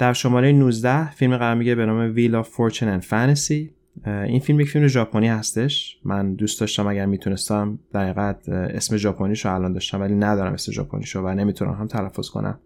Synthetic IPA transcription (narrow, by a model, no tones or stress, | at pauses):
d̪̥æɾʃomɒːɾe̞jenuːzd̪æhfilmiɣæɾɒːɾmiɟebe̞nɒːmevilɒfoɾt͡ʃʰinenfænesi | infilmjecʲfilme̞ʒɒːpʰoniːhæst̪e̞ʃmænd̪uːst̪ɒːʃt̪æmæɟæɾmiːt̪ʰune̞st̪æmd̪̥æɾiːɣæd̪̥e̞̰sme̞d͡ʒɒːpʰoniːʃoælɒnd̪ɒːʃt̪æmvæliːnæd̪ɒːɾæ̰mʔe̞sme̞ʒɒ̰ːpʰo̰nḭʃovæne̞miːt̪ʰunæ̰mhɦæmt̪ʰælæfːo̰z̥kʰo̰nʔæ̰m